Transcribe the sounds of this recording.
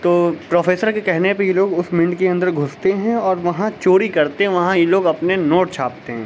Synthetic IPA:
t̪oːpɾoːfʰeːsəɾkekɛɦnepɐjeloːɡʊsmɪ̃ɳɖkeɐ̃nd̪əɾɡʱʊst̪eɦɛ̃ɔːɾʋɐɦãt͡ʃoːɾikɐɾt̪eɦɛ̃ʋɐɦãjeloːɡɐpnenoːʈt͡ʃʰaːp̚t̪eɦɛ̃ː

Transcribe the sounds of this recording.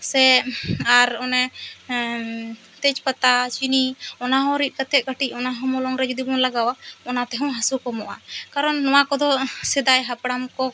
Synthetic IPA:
sɛaɾɔnɛ | t̪ɛt͡ʃpat̪at͡ʃiniɔnaɦɔ̃ɾit̪̚kat̪ʰɛʔ̪̚kaʈicɔnaɦɔ̃mɔlɔŋɾɛd͡ʒud̪ibɔnlaɡawaɔnat̪ɛɦɔ̃w̃ɦasukɔmɔʔa̰kaɾɔnːɔwakɔd̪ɔsɛd̪ajɦapɽamkɔ

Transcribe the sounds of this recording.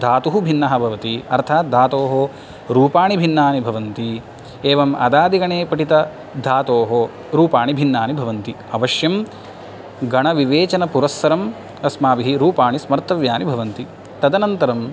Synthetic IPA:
d̪ʱaːt̪uɦubʱinːɐɦɐbʱɐʋɐt̪iɐ̰ɾt̪ʰaːt̪̚d̪ʱaːt̪oːɦo | ɾuːpaːɳibʱinːaːnibʱɐʋɐnt̪i | eːʋɐmɐ̰d̪aːd̪iɡɐɳeːpɐʈit̪ɐ | d̪ʱaːt̪oːɦo | ɾuːpaːɳibʱinːaːnibʱɐʋɐnt̪i | ɐʋɐʃjɐm | ɡɐɳɐʋiʋeːt͡ʃɐnɐpuɾɐsʋɐɾɐm | ɐsmaːʋiɦiɾuːpaːɳismɐɾt̪ɐʋjaːnibʱɐʋɐnt̪i | t̪ɐd̪ɐnɐnt̪ɐɾɐm

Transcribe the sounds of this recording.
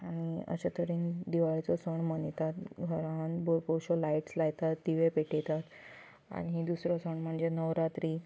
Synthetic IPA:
aɽ̃iə̰ɕat̪əɾiːnd̪iʋaɭt͡sɔsəɳmənit̪at̪ɡʱəɾãnboɾboɕɔlaiʈslajt̪at̪d̪iʋepeʈʰet̪at̪ | a̰ɽ̃iɦid̪usɾɔsəɳm̤əɳd͡zenəʋɾat̪ɾiː

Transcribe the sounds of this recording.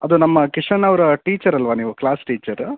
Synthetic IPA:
ɐd̪unɐmːɐkiʂɐnɐʋɐɾɐʈiːt͡ʃɐɾɐlʋaniːʋuklaːsʈiːt͡ʃɐɾ

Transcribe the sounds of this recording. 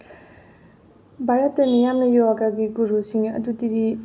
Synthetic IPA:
bʱaɾətːɐnijamnəjɔɦakaɡiɡuɾusiŋɐ̰dutidi

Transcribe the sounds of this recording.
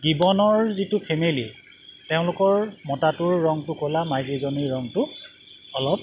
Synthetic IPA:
ɡibɔnɔɹzitʊpʰemili | teʊ̃lʊkɔɹmɔtatʊɹːɔŋtʊkolamajɡizɔniɹːɔŋtʊ | ɔlɔb̚

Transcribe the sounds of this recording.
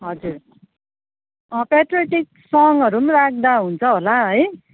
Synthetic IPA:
ɦʌd͡zur | ʌpeʈreʈik̚sʌŋʌɾumɾak̚ʰd̪aɦunt͡sʰʌɦolaɦʌj

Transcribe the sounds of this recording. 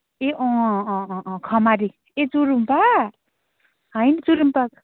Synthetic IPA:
eʔõ | kʰʌmaɾi | et͡suɾumpa | ɦʌjnʌt͡suɾumpak

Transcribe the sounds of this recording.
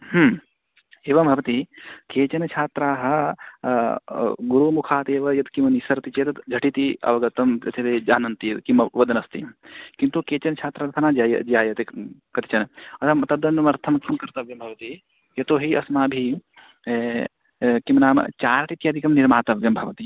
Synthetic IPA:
ɦm | eːʋɐmbʱɐʋɐt̪ikeːt͡ʃɐnɐt͡ʃʰaːt̪ɾaːɦɐ̆ | ɡuɾumukʰaːt̪eːʋɐjɐt̪kimɐnisɐɾɐt̪it͡ʃeːt̪ɐd͡ʒʱɐʈit̪iɐ̰ʋɐɡɐt̪ɐmɐ̰t̪ʰit̪eːd͡ʒaːnɐnt̪ijɐkimɐʋɐd̪ɐnɐst̪ḭkint̪ukeːt͡ʃɐnt͡ʃʰaːt̪ɾat̪ʰɐnaːd͡ʒjɐd͡ʒijaːjɐt̪ekɐt̪it͡ʃɐnɐɐt̪ʰɐmt̪ɐd̪ɐnːɐmɐɾt̪ʰɐmkimkɐɾt̪ɐʋjɐmbʱɐʋɐt̪i | jɐt̪oːɦiɐsmaːbʱi | kimnaːmɐ̰t͡ʃaːɾɐʈit̪jaːd̪ʱikɐmniɾmaːt̪ɐʋjɐmbʱɐʋɐt̪i

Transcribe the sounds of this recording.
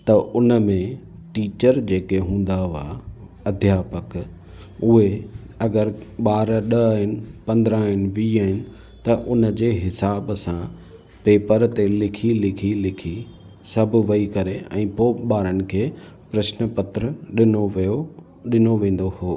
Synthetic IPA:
t̪ɐʔʊnə̆mẽ | ʈiːt͡ɕəɾd͡ʑeːkeɦũːn̆d̪aɦa̰ː | ɐd̪ʱjaːpək | ʊɦe | ɐɡəɾɓaːɾɗɐːɦɪnɪ̆pɐ̃nd̪ɾãɦɪnɪ̆ʋiːaːɦɪnɪ̆ | t̪ɐʔʊnə̆d͡ʑeːɦɪsaːbsã | peːpəɾt̪elɪkʰilɪkʰilɪkʰi | sɐbʱʊʋɐikɐɾeɛ̰̃ːpoːɓaːɾənɪ̆kʰeː | pɾɐʃnəpɐt̪ɾəɗɪnoʋjo | ɗɪnoʋẽːn̆d̪ohoː

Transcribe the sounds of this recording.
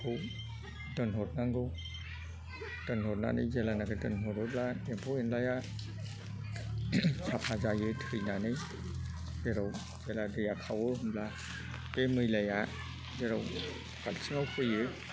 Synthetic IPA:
ɡɯw | dɯnɦɔt̚naŋɡɯw | d̥ɯnɦɔt̚na̰nɯjzelanakɯdɯnɦɔtɔt̚ladempʰɔenlaja | sʰapʰazajɯtʰɯjnanɯj | zeɾɔw | zeladɯjakʰawɯɦɯmla | bemɯjlaja | zeɾaw | kalsiŋawpʰɯjɯ

